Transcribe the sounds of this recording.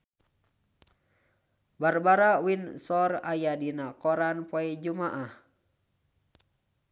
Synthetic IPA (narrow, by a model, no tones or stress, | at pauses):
barbaɾawinsɔrajadinakɔɾanpoɛd͡ʒumaʔah